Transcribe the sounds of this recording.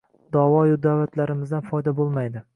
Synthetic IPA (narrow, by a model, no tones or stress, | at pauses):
d̪ɒvɒjʊd̪avat̪ʰlaɾɪmɪzd̪anfɒjd̪abolˠmajd̪ɪ